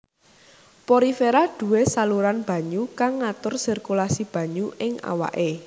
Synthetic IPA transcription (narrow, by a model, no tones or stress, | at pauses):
poɾifeɾaɖ̪̥ṳwesaluɾanb̥a̤ɲukaŋːat̪ʊrsirkulasib̥ä̤ɲuʔɪŋa̰wa̰ʔe